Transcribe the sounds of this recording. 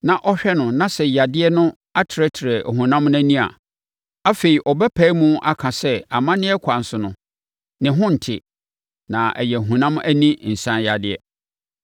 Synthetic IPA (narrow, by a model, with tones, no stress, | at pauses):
nã˨ʔɔ˦ɕᶣɛ˦nʊ̃˨nã˦sɛ˨ja˨dɪ˦ɛ˦nʊ̃˦ | a˦tʰɪ˨ɾɛ˦tʰɪ˨ɾɛ˨hũ˨nã˦mnæ̃˦nĩ˦a̰˨ | a˦fe˨ɾi˨ʔɔ˨bɛ˦pʰæ˨˦mũ˦ʔa˦kʰã˨sɛ˦a˨mã˦nɪ̃˦ɛ˦kʷʰã˨n̩˨sʊ˨nʊ̃˨ | nɪ̃˨ɦʊ̃˦n̩˨tʰɪ̰˨ | nã˨ʔɛ˨jɛ˨ɦũ˨nã˦mæ˦nĩ˦n̩˨sã˦ja˨dɪ˦ɛ̰˨